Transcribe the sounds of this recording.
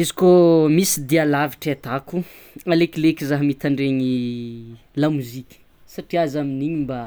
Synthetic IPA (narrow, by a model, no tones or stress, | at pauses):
izi̥komisid̪ialaviʈ͡ʂat̪aku | alekʲlekʲizaɦmit̪aɳɖ͡ʐeɲi | lamuzikʲə̥ | saʈ͡ʂiazaminiɲimba